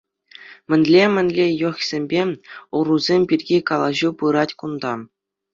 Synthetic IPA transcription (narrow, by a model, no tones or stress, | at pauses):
mʲɘ̆nʲlʲemʲɘ̆nʲlʲejŏχʲsʲemʲbʲeuruzʲemʲpʲirʲɡʲikɑlˠɑʑupɯɾɑtʲkund̪ɑ